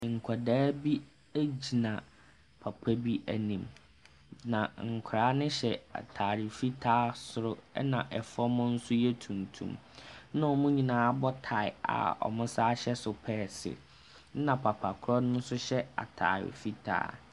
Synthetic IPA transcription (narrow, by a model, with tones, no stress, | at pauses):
ŋ̩˨kʷʰa˨daː˦bi˦ | æ˦d͡ʑi˨nã˨ | pʰa˨pʰæ˦bi˦ʔæ˨nĩ˨m | nã˨ŋ̩˨kʷʰʊɾaː˨˦nɪ̃˦ɕɛ˨a̰˨tʰaː˨ɾɪ˨fi˦tʰaː˦sʊ˨ɾʊ˦ɛ˦nã˨ʔɛ˨fɔ˦mʊ̃˦n̩˦sʊ˦jɛ˦tʰũ˨ntʰṵ̃˨˦m | nʊ̃˦˨mʊ̃˦ɲĩ˨nãː˨˦a˦bɔ˦tʰa˨ɪ˨a̰˨ɔ̰˨mʊ̃˦sa˦ɕɛ˦sʊ˨pʰɛː˦˨sɪ̰˨˦ | nã˨pʰa˨pʰa˨kʰʊ˦ɾɔ˦nʊ̃˦n̩˦sʊ˦ɕɛ˦a̰˨tʰa̰ː˨ɾɪ̰˨fi˦tʰa̰ː˦